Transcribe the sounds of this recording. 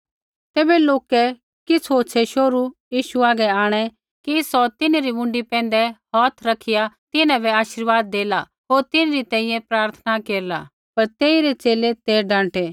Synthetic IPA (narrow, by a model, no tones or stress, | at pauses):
t̪ɛːbɛloːkɛ | kɪt͡sʰoːt͡ʃʰɛʃoːɾujiːʃuaːɡɛaːɽ̃ɛ | kisɔt̪ɪneɾimʊ̃ɳɖipɛ̃ːn̆d̪ɛɦɔːt̪ʰɾɐkʰɪjat̪ɪnɛ̃bɛaːʃɪɾʋaːd̪ːeːla | ɦoːɾt̪ɪnɾit̪ɛ̃ːĩjɛ̃pɾaːɾt̪ʰnakeːɾla̰ | pɐɾt̪eːiɾet͡ʃeːlet̪eːɖãːʈeː